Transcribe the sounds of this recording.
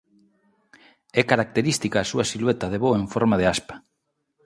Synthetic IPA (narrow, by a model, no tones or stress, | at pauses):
ɛkaɾak̚t̪eɾist̪ikaːsuasilwet̪aðeβoeɱfoɾmaðeaspḁ